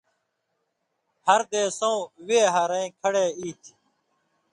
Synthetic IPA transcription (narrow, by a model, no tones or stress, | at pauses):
həɾd̪eːsõːʋeːɦaɾeĩːkʰəɽeːiːt̪ʰi̥